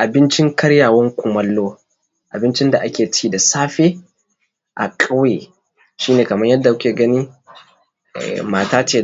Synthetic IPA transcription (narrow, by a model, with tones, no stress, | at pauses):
ʔa˨bɪ˦nt͡ʃɪ˦ŋkɐ˦ɽjaː˨wɐ˦ŋkʷʊ˨mɐ˦lːoː˦ | ʔa̰˨bɪ˦nt͡ʃɪ˦nda˨ʔa˦kʲeː˨t͡ʃiː˦da˨saː˦ɸeː˦ | ʔa̰˨kʼɐ˦wjeː˨ | ʃiː˦neː˨kɐ˨mɐ˦ɲjɐ˦dːa˨kʷʊ˦kʲeː˨ɡɐ˦niː˦˨ | maː˨taː˦t͡ʃeː˨